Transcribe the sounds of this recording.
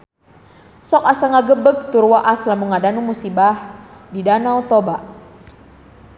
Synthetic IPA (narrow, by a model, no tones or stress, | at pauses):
sɔkasaŋaɡəbək̚t̪uɾwaʔaslamuŋadanumusibahdidanawt̪ɔbaʔ